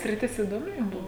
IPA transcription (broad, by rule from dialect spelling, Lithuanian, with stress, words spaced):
sʲrʲɪˈtʲɪs ɪdoːˈmʲɪ ˈjʊm ˈbʊʋoː